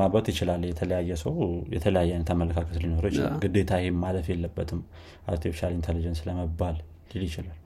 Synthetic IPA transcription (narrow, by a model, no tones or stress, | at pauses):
mabət̪jɪt͡ʃɪlalːjɛt̪ʰələjajːɛsəwjɛ̰t̪ʰələjajːɛajnət̪ʰamːələkʰakʰət̪linoɾjt͡ʃɪ̰ɡɨd̪et̪ʰahemmaləfjɛlːəbːət̪ʰɨm | ʔa̰ɾt̪ʰifiʃalint̪ʰelid͡ʒɛnsləməbːalː | iljɪt͡ʃɪlal